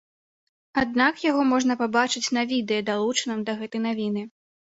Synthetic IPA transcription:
ad̪nakjaɣɔmɔʐnɐpabat͡ʂɨt͡sʲnɐvʲid̪ɛjɐd̪alˠut͡ʂɐnɐmd̪ɐɣɛt̪ɐjnavʲinɨ

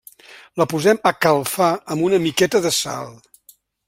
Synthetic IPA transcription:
ləpuzɛməkəlˠfaəmbunəmikɛt̪əðəsa̰lˠ

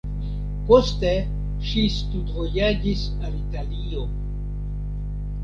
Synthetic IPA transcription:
po̞ste | ʃistudvojad͡ʒis | alitalio

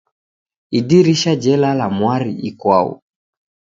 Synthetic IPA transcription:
idiɾiʃad͡ʒɛlalamwaɾiikwaṵ

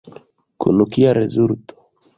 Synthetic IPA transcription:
kṵnukiaɾɛzuɾt̪ɔ̥

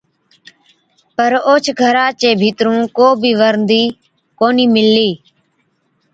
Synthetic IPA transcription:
pəɾoːt͡ʃʰɡʱəɾaːt͡ʃeːbʱiːt̪ɾũːkoːbʱiːʋəɾnd̪iː | koːniːmɪlːiː

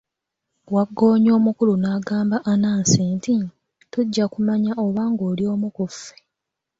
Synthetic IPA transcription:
waɡːo̞ːɲo̞ːmukulunaːɡaːmbaʔanaːnsiːnti | tuɟːakumaɲaʔo̞βaːŋɡoːlio̞ːmukufːe

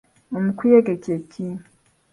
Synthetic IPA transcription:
omukwijeɡecekʰi

